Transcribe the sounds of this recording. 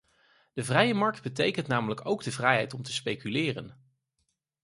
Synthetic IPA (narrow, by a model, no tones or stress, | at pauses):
d̥əvrɛjəmɑɹk̚d̚bətejkəntnaːmələkowɡdəvrɛjɦɛjtɔmtəspejkylɪːrə̰n